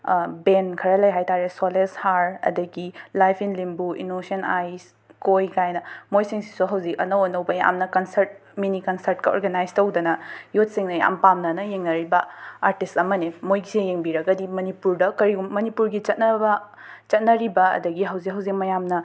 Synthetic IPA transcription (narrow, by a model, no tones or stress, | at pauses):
benkʰɐɾɐlɐjɦajtaɾesoleshaɾɐ̰dɐɡilajpʰinlimbuḭnosɐnajs | kojkajnɐmojsiŋsi̥soɦɐwzikɐ̰nɐwɐnɐwbɐja̰mnɐkɐnsɐɾt̚minikɐnsɐɾt̚kɐo̰ɾɡɐnajstɐwdɐnɐjut̚siŋnɐja̰mpamnɐnɐjeŋnɐɾibɐaɾtistɐmɐnimojɡisejeŋbiɾɐɡɐdimɐnipuɾdɐkɐɾiɡumːɐnipuɾɡit͡ʃɐt̚nɐbɐ | t͡ʃɐt̚nɐɾibɐɐ̰dɐɡiɦɐwzikɦɐwzik̚mɐjamnɐ